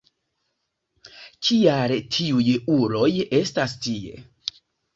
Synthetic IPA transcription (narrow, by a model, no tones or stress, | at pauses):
kʰialtʰiujuɾo̞je̞stastiḛ